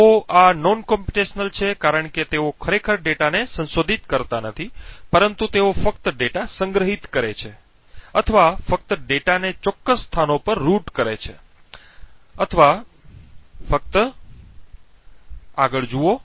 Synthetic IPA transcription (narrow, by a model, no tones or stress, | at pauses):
oanɔnkɔmpiʈeʃnəlt͡ʃʰekaɾəɳket̪eokʰəɾekʰəɾɖeʈanesə̃nsod̪ʱit̪kəɾt̪anət̪ʰipəɾənt̪ut̪eofəkt̪əɖeʈasəŋɡɾəɦit̪kəɾet͡ʃʰe | ət̪ʰəʋafək̚t̪əɖeʈanet͡ʃɔkːəsːt̪ʰanopəɾːuʈkəɾet͡ʃʰe | ət̪ʰəʋa | fək̚t̪ə | aɡəɭd͡ʒuo